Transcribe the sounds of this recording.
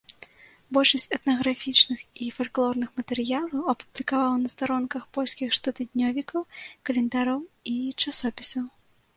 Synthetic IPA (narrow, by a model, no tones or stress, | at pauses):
bɔlʲʂɐsʲt͡sʲɛt̪nɐɣɾafʲit͡ʂnɨxifalʲklˠɔrnɨxmɐt̪ɛɾɨjalˠɐwɐpublʲikavawnɐst̪aɾɔnkɐxpɔlʲsʲkʲixʂt̪ɐt̪ɨd̪ʲnʲɔvʲikɐwkɐlʲɛnd̪aɾɔwit͡ʂasɔpʲisɐw